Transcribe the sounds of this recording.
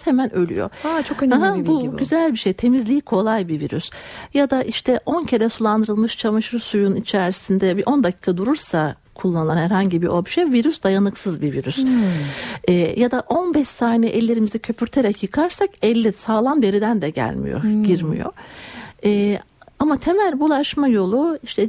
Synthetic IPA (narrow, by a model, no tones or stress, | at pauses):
hemænølʲy̰jo̰at͡ʃʰokønɦabuɟyzælʲbiʃejt̪ʰe̞mizlʲiːkʰo̞lˠajbiviɾy̰sjad̪aʔiʃt̪ʰɛʔo̞ncʰeɾɛsulˠand̪ɯɾɯlˠmɯʃt͡ʃʰamaʃɯɾsujunit͡ʃʰæɾsind̪ɛbiʔo̞nd̪acʰiːkʰad̪uɾuɾsa | kʰulˠːanɯlˠanhæɾhaɲɟibiʔobiʃejviɾysd̪ajanɯksɯzbiviɾys | ɛːjad̪aʔo̞nbɛʃsaːnɛʔɛlʲːe̞ɾimizɛcʰø̞pʰyɾt̪ʰeɾɛcjɯkʰaɾsakɛlʲːisaːlˠamd̪e̞ɾid̪ænd̪ɛɟæ̰lʲmḭjo̰ɟiɾmḭjo̞̰ | ɛːamat̪ʰemælʲbulˠaʃmajo̞lˠuiʃt̪ʰɛ